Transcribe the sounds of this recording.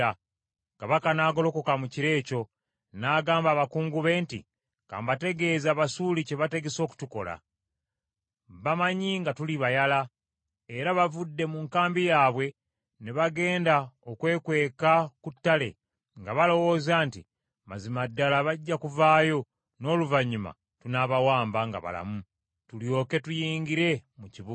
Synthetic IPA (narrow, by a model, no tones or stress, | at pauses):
a | kaβakanaːɡo̞lo̞ko̞kamuciɾe̞ːco̞ | naːɡaːmbaːβakuːŋɡuβe̞ːntḭ | ka̰ːmbate̞ɡe̞ːzaːβasuːlice̞βate̞ɡe̞so̞ːku̥tuko̞la̰ | βamaɲiŋɡatuliβajala | eɾaβavudːe̞muŋkaːmbijaːβwe̞ | neβaɡe̞ːndaokwe̞ːkwe̞ːkakutːale̞̰ | ŋɡaβalo̞wo̞ːzaːnti | mazimadːalaβaɟːakuvaːjo̞ | no̞ːluvaɲima̰ | tunaβawaːmbaŋɡa̰βa̰la̰mu | tuljo̞ːke̞tujiːŋɡiɾe̞muciβu